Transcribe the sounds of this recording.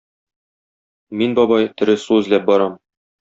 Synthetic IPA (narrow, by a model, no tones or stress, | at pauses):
minbɒbɑjt̪ɵ̆ɾɘ̆suɘ̆zlæp̚bɒɾɑm